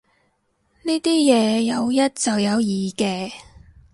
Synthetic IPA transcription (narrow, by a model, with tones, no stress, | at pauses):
niː˥t̪iː˥jɛː˨˧jɐ˨˧wjɐ˥t̚t͡sɐ˨wjɐ˨˧wjiː˨˩kɛː˧